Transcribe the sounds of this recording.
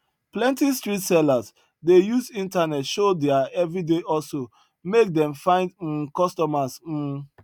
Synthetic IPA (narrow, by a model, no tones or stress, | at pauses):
plɛ̃ntistɹitsɛlas | dejusĩntanɛtʃodɛaɛvɹideʔɔso | mek̚dɛ̃mfãɪ̃nd̩kɔstɔmas̩